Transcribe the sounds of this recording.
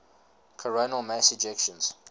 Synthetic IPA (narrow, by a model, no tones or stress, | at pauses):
kʰəɹonəlˠmæsɪd͡ʒɛkʃə̃nz̥